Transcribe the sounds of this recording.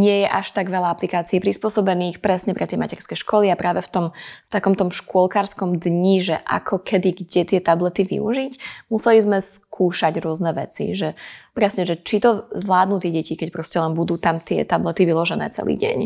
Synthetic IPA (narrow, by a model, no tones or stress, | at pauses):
ɲɪɛjɛʔaʃt̪aɡʋɛlaaplikaːt͡siɛpɾispʊɔsɔbɛniːxpɾɛsɲɛpɾɛt̪jɛjma̰cɛɾskɛʃkɔliapɾaːʋɛft̪ɔmft̪akɔmt̪ɔmʃkʊɔlkaːɾskɔmd̪ɲiʒɛʔa̰kʰɔkʰɛd̪iɡɟɛt̪ɪɛt̪ablɛt̪iʋḭṵʒicmusɛlizmɛskʰuːʃaɟɾʊɔznɛʋɛ̰t͡sḭʒɛpɾɛsɲɛʒɛt͡ʃit̪ɔzʋlaːd̪nuːt̪iɛɟɛcikɛcpɾɔscɛlɛnbud̪uːt̪amt̪ɪɛ̰t̪ablɛt̪iʋilɔʒɛnɛ̰ːt͡sɛ̰lḭːɟɛ̰ɲ